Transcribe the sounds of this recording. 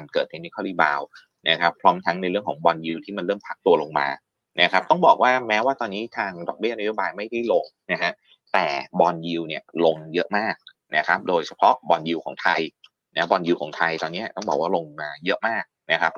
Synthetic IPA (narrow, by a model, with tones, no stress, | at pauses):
a˧nkɤː˨˩t̪̚ha˧˩niː˦˧˩kʰɔː˥˩liː˦˥˩baː˧w | na˦˥kʰa˦˥pʰɾɔː˦˥mt̪ʰa˦˥ŋna˧jɾɯ˥˩əŋʰkʰɔː˩˦ŋbɔː˧nji˧wt̪ʰiː˥˩ma˧nɾɤː˥˩mpʰa˦˥k̚t̪u˧ɐlo˧ŋma̰ː˧ | na˦˥kʰɾa˦˥p̚t̪ɔ˥˩ŋbɔ̰ː˨˩k̚waː˥˩mɛː˦˥waː˥˩t̪ɔː˧nːiː˦˥t̪ʰaː˧ŋdɔ˨˩k̚bi˥˩na˦˥jo˦˥˩baː˧jma˥˩jti˥˩lo˧ŋna˦˥kʰa˦˥ | t̪ɛː˨˩bɔː˧nji˧wni˥˩ɐlo˧ŋjɤ˦˥ʔmaː˥˩k̚ | na˦˥kʰa˦˥p̚doː˧jt͡ɕʰa˧pʰɔ˦˥bɔː˧nji˧wkʰɔː˩˦ŋt̪ʰa˧j | na˦˥bɔː˧nji˧wkʰɔ̰ː˩˦ŋt̪ʰa˧jt̪ɔː˧nːi˦˥t̪ɔ˥˩ŋbɔː˨˩k̚waː˥˩lo˧ŋmaː˧jɤ˦˥ʔmaː˥˩k̚na˦˥kʰa˦˥p̚